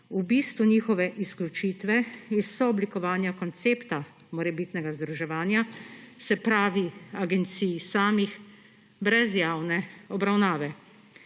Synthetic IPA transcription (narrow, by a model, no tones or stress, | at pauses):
ubiːst̪ʋuɲiːxɔʋɛʔisklʲut͡ʃiːt̪ʋɛisɔɔblikɔʋaːnjakɔnt̪seːpt̪a | mɔɾɛbiːt̪nɛɡazd̪ɾuʒɛʋaːnjasɛpɾaːʋiaɡɛnt̪siːjsaːmix | bɾɛzjaːwnɛɔbɾawnaːʋɛ